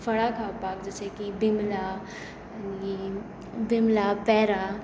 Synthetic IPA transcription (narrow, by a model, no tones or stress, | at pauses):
fɐɽakʰaːpaːkd͡ʒəsekibɪmla | ni | bɪmlapɛːɾa